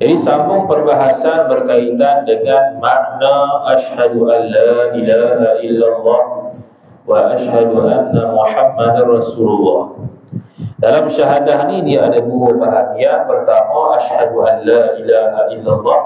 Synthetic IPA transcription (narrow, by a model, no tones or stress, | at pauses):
d͡ʒadisamʊŋpərbaɦasanbərkait̪andəŋanmaʔnaʔaʃhaduʔanːaːʔilahaʔilːalːɑh | waʔaʃhaduʔanːamuħamːadrɑsululːɑh | dalamʃaɦadahnidiaadabubaɦaniapərt̪amaʔaʃhaduʔanːaːʔilaɦaʔilːalˤːɑh